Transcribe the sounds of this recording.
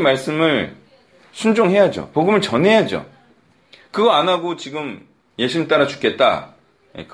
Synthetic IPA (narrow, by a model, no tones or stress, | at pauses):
maɭs͈ɯmɯɭ | sʰund͡ʑoŋɦe̞jad͡ʑo̰poɡɯmɯɭt͡ɕʌnɦe̞jad͡ʑo̰ | kɯɡʌanaɡot͡ɕiɡɯm | je̞ɕʰimit͈aɾat͡ɕu̥k͈e̞t̚t͈a̰ | jḛk